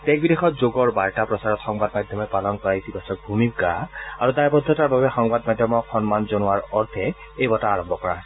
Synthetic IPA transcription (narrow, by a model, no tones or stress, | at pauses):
tɛk̚bidexɔtzoɡɔɹbaɹtapɹɔsaɹɔtxɔŋbadmajdʱjɔmɛpalɔnkɔɹajsibasɔbʱumip̚ɡaaɹudajbɔd̪ʱːɔtaɹbabɛxɔŋbad̚majdʱjɔmɔkxɔnmanzonʊwaɹɔɹt̪ʰɛ | ejbɔtaːɹɔmbʱɔkɔɹa̰